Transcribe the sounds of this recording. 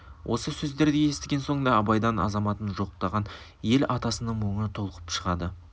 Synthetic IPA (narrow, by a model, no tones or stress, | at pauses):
wʔo̞̰səsɵzd̪e̞ɾd̪eje̞st̪ɪɡʲe̞nso̞ɴənd̪ɑːbɑjd̪ɑnɑ̰zɑmɑt̪ənʒo̞qqt̪ɑʁɑn | je̞lɑt̪ɑsənəɴmo̞ɴət̪ʰo̞lˠəqə̥pʃəʁɑd̪ə